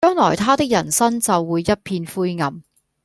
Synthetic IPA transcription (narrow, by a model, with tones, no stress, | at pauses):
t͡ʃœː˥ŋlɔː˨˩jt̪ʰaː˥t̪ɪ˥k̚jɐ˨˩nsɐ˥ŋt͡sɐ˨wːuː˨˧jːɐ˥t̚pʰiː˧nfuː˥jŋɐ˨˩m